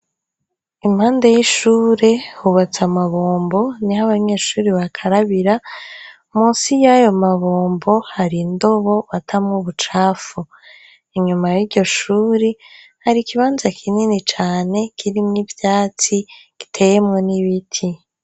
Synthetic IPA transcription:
imhaːndejiʃuːɾe̞huβat͡samaβoːmbo̞niɦaβaɲe̞ːʃuːɾiβakʰaɾaβiɾa | muːsijajo̞maβoːmbo̞haɾindo̞βo̞atʰamŋuβut͡ʃaːfu | iɲumajiɾɟo̞ʃuːɾi | haɾikiβaːnzakʰininit͡ʃaːne̞kʰiɾimŋivjaːt͡siki̥tʰe̞jemŋo̞niβitʰi

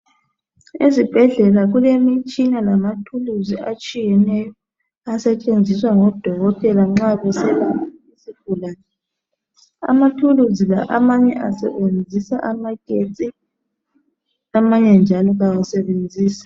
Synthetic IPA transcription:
izib̥ʱɛɮɛlaɣulemit͡ʃʼinalamatʰuluziʔat͡ʃʼijɛnɛjɔ | asɛt͡ʃʼend͡zʱiswaŋɔd̥ʱɔɣɔtʼɛlaŋ͡ǁaβɛsɛlamaesiɡ̥ʱulaːnɛ | a̰matʰuluzila̰ʔamaɲɛʔasɛβend͡zʱisaʔamaɡ̥ʱet͡sʼi | lamaɲɛnd͡ʒʱalɔɣawasɛβend͡zʱiːsḁ

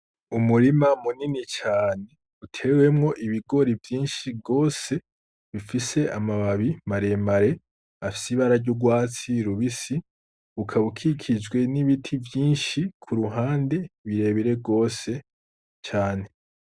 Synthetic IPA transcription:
umuɾimamuninit͡ʃaːne̞ | utʰe̞we̞mŋo̞ʔiβiɡo̞ɾivjiːnʃiɡo̞ːse̞ | βifise̞amaβaβimaɾe̞maɾe̞ | afi̥siβaɾaɾɟuɡwaːt͡siɾuβisi | βukʰaβukʰikʰid͡ʒɡwe̞niβitʰivjiːnʃikʰuɾuɦaːnde̞βiɾe̞ːβiɾe̞ɡo̞ːse̞ | t͡ʃaːne̞

